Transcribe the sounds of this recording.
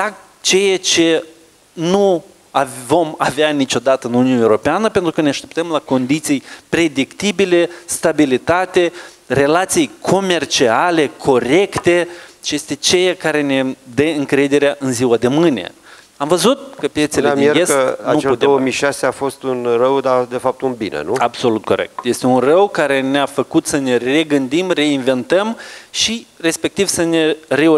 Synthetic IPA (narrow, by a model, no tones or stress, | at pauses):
d̪a | t͡ʃejat͡ʃe̞ | nu | avo̞maveanit͡ʃo̞d̪at̪əɨnuniunaewɾo̞peanəpe̞nt̪ɾukəneaʃt̪e̞pt̪əmlako̞nd̪it̪sijpɾe̞d̪ikt̪ibile̞st̪abilit̪at̪e̞ | re̞lat̪sijkʰo̞me̞rt͡ʃiale̞kʰo̞ɾe̞kt̪e̞t͡ʃejest̪e̞t͡ʃejakaɾe̞ne̞d̪əɨŋkɾe̞d̪e̞ɾeaʔɨnziwad̪e̞mɨne̞̰ | amvəzut̪̚kəpjet̪seleiɡesanueut̪eoəmijʃaseafo̞st̪unrəwd̪ad̪e̞fap̚t̪unbinḛnṵabso̞lut̪̚ko̞ɾḛk̚t̪je̞st̪e̞unrəwkaɾe̞neafəkut̪səne̞re̞ɡɨnd̪imre̞inve̞nt̪əmʃire̞spe̞k̚t̪ivsəne̞re̞